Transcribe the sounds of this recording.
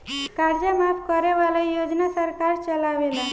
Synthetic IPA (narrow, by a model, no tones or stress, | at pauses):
kaɾd͡ʒamapʰkəɾeʋalajod͡ʒnasəɾkaɾt͡ʃəlaʋela